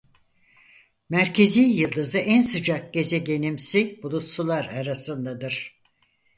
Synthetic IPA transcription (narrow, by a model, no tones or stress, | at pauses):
mæɾcʰe̞zijjɯlˠd̪ɯzɯʔænsɯd͡ʒak̚ɟe̞zɛɟe̞nimsibulˠut̪sulˠaɾaɾasɯnd̪ad̪ɯɾ̥